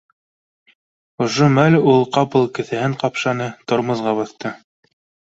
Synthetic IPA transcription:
ŏʃomælʲulˠqɑpɤlˠkɘ̆θæhɘɴqɑpʃɑnɤt̪ŏɾmɤ̆zʁɑβɑθt̪ɤ

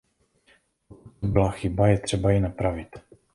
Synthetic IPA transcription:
bɪlaxɪbajɛt̪r̝̥ɛbajɪnapɾavɪt̪

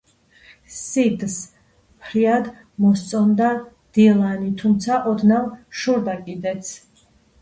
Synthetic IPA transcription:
sid̪s | pʰɾiad̪ | mɔst̪sʼɔnd̪a | d̪̥ilˠanit̪ʰumt̪sʰaʔɔd̪namʃuɾd̪akʼid̪ɛt̪sʰ

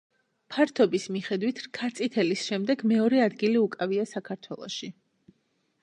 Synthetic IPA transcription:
pʰaɾt̪ʰɔbismiχɛd̪wit̪ʰɾkʰat̪sʼit̪ʰɛlisʃɛmd̪ɛɡmɛɔɾɛad̪ɡiliukʼaviasakʰaɾt̪ʰwɛlˠɔ̰ʃi

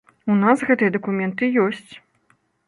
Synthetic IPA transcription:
unasɣɛt̪ɨjɐd̪ɐkumʲɛnt̪ɨjɔsʲt͡sʲ

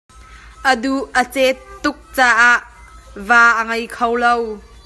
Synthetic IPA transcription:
ʔəd̪uʔət͡sɛt̪ːʊk̚t͡saːʔaʔvaːʔəŋɐjkʰɐwlɐw

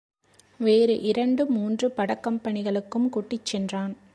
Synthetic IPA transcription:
ʋeːɾɯʔɪɾɐɳɖɯmuːndrɯpɐɽɐkːɐmpɐnɪɣɐɭɯkːɯmkuːʈːɪt͡ʃːɛndraːn

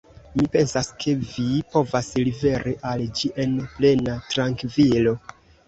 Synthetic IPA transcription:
mipe̞nsaskʰe̞vipo̞vaslive̞ɾʔiʔald͡ʒiʔe̞nple̞natɾaŋkvilo̞

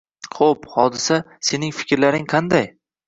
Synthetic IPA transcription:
qʰophɒd̪ɪsa | se̞nɪŋfɪ̥kʲɾlaɾɪŋqʰɑnd̪aj

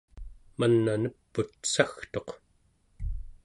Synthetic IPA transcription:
manːanəpːut̪saxt̪o̞q

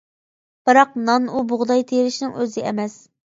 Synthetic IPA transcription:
b̥ɨɾɑqnɑnubʊʁd̪ɑjt̪ʰeɾɪʃnɪŋøzɪɛmɛs

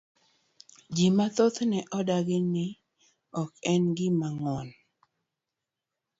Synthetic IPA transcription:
d͡ʒimat̪ot̪nɛʔɔdaɡɪnɪ | ɔkɛnɡɪmaŋɔn

